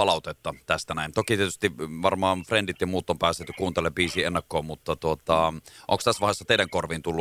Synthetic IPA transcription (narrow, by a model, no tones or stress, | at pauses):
pɑlɑˑut̪et̪ːɑt̪æst̪ænæˑint̪okit̪iet̪y̥st̪iʋɑrmɑːnfrendit̪jɑmuːt̪ːompæːst̪ːet̪ːykuːnt̪elːeʋbiːsiːenːɑkːoːmut̪ːɑt̪uot̪ɑʔo̰ŋkst̪æsːʋɑhesːɑt̪eˑidæŋkorʋint̪ulːu